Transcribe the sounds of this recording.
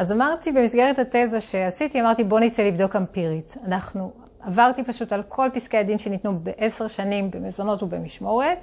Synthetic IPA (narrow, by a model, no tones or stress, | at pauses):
azamaʁt̪ibe̞misɡeʁethatezaʃe̞asitiamaʁtibo̞nit͡selivdo̞kampiʁitanaχnu | avaʁtipaʃutalkʰo̞lpiskeadinʃe̞nitnubeʔese̞ʁʃanimbe̞mezo̞no̞tubemiʃmo̞ʁet